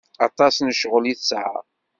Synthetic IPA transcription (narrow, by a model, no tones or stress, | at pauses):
ɑt̪ˤɑsnəʃʁəliθsʕa̰